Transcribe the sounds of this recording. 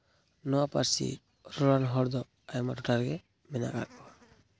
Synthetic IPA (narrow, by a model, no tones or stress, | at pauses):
nɔwapaɾsḭ | ɾɔlanɦɔɾd̪ɔ | ajmadɔʈaɾɡɛ | mɛna̰ʔɡa̰t̪̚kɔwa